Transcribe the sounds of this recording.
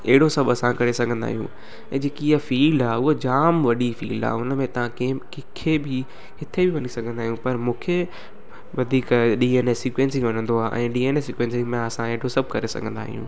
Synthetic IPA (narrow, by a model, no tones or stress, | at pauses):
eɦɪɽosɐbɐsãkɐɾesɐɡʱə̃nd̪a̰ːɦijṵ̃ː | ɛ̃ːd͡ʑeːkiiafiːlaːʊɦod͡ʑaːmʋɐɗifḭːla̰ːʊnmẽt̪ɐʋ̤ãkːkɪkʰebʱi | ɦɪt̪ʰebiʋɐnisɐɡʱə̃nd̪aːɦijũpɐɾmũːkʰe | ʋɐd̪ʱiːkɗiːeːnesiːkwẽːnsɪ̃ŋʋɐnə̃nd̪oaːʔɛ̰̃ːɗiːeːnesiːkwẽːnsɪ̃ŋmẽɐsãeɦɪɽosɐb̚ʱkɐɾesɐ̰ɡʱə̃nd̪a̰ːɦḭjṵ̃ː